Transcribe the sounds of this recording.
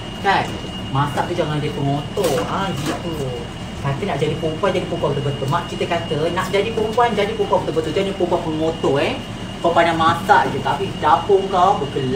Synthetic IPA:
ka | mãsaʔt̪ud͡ʒaŋand͡ʒipəŋot̪oãd͡ʒiaʔə | kat̪ənaʔd͡ʒadipəmpuand͡ʒadipəpuakət̪əbət̪umãʔkit̪əkat̪ənaʔd͡ʒadipəmpuand͡ʒadipəmpuakət̪əbət̪ud͡ʒanipəmpuanpəŋot̪oe | pəpanamãsaʔt̪ut̪apidapoŋkabəkəl

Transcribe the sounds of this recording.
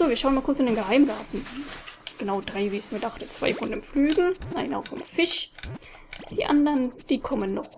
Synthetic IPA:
z̥oːviɐʃaʊənmaːlkʊt͡sɪndeːnŋɡəɦaɪmɡaɐtn̩ | ɡ̥ənaʊdʁaɪviːɪçsmiːɐdaχtət͡sv̥a̰ɪfɔndɪmflyːɡŋ̩ʔa̰ɪnəa̰ʊfɪ̰mfɪʃ | d̥iːʔa̰ndɐnd̥iːkʰɔmənːɔχ

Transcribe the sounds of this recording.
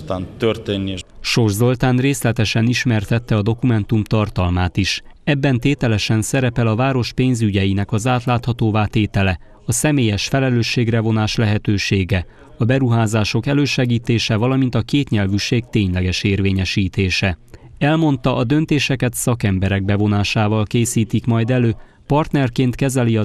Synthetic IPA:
t̪aːnt̪ørt̪eːnːiʃo̞rʒzo̞lt̪aːnreːslɛt̪ɛʃɛniʃmɛrt̪ɛt̪ːɛɒd̪o̞kumɛn̪t̪umt̪ɒrt̪ɒlmaːt̪iʃɛbːɛnt̪eːt̪ɛlɛʃɛnsɛɾɛpɛlɒvaːɾo̞ʃpeːnzyɟɛjinɛkɒzaːt̪laːt̪hɒt̪oːvaːt̪eːt̪ɛlɛ | ɒsɛmeːjɛʃfɛlɛløːʃːeːɡrɛvo̞naːʃlɛɦɛt̪øːʃeːɡɛ | ɒbɛɾuɦaːzaːʃo̞kɛløːʃɛɡiːt̪eːʃɛvɒlɒmint̪ɒkeːt̪ɲɛlvyʃeːɡt̪eːɲlɛɡɛʃeːrveːɲɛʃiːt̪eːʃɛɛlmo̞n̪t̪ɒʔɒd̪ø̞nt̪eːʃɛkɛt̪sɒkɛmbɛɾɛɡ̚bɛvo̞naːʃaːvɒlkeːsiːt̪ikmɒjd̪ɛløː | pɒrt̪nɛrkeːnt̪kɛzɛliɒ

